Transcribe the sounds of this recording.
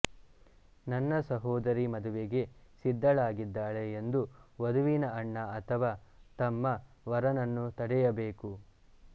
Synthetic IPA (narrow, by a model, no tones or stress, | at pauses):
nɐnːɐsɐɦɔːd̪ɐɾimɐd̪uʋeɡe̞sid̪ːɐɭaːɡid̪ːaːɭe̞ːnd̪uʋɐd̪uʋinɐɐɳːɐɐt̪ʰɐʋaːt̪ɐmːɐ | ʋɐɾɐnɐnːut̪ɐɽɛjɐbeːku